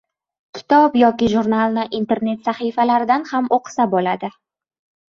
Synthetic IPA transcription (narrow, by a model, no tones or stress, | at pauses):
kʲʰɪ̥t̪ʰɒpjɒkʲɪʒuɾnalˠnɪʔint̪ʰe̞ɾne̞t̪saχifalaɾɪd̪anhamoqʰɨ̥sabɒlad̪ɪ